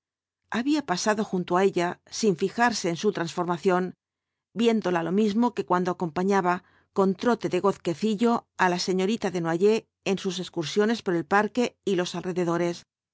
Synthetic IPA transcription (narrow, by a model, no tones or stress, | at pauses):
aβiapasaðo̞xunt̪oae̞ʎasiɱfixaɾse̞ːnsut̪ɾansfo̞ɾmaθjo̞n | bje̞nd̪o̞lalo̞mizmo̞kekwand̪o̞ako̞mpaɲaβa | ko̞nt̪ɾo̞t̪e̞ðe̞ɣo̞θke̞θiʎo̞alase̞ɲo̞ɾit̪aðe̞nwaʝe̞ː | nsus̬e̞skuɾsjo̞ne̞spoɾe̞lpaɾke̞ilo̞salre̞ðe̞ðo̞ɾe̞s